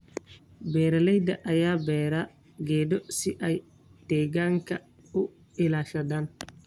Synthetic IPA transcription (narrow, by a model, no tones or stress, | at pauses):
bɛːɾɐlɛjd̪ɐʔɐjaːbɛːɾa | ɡɛːd̪ɔsɪʔɛj | t̪ɛːɡaːŋkʰɐ | ʊ | ɪlaːʃɐd̪aːn